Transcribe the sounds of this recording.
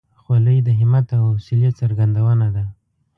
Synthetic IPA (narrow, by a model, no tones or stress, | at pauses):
xwaləjd̪əɦɪmat̪awsiljat̪saɾɡand̪awənad̪a